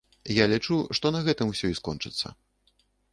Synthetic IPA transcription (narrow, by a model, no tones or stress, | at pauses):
jalʲit͡ʂuʂt̪ɔnɐɣɛt̪ɨmwsʲɔiskɔnt͡ʂɨt̪sːɐ̰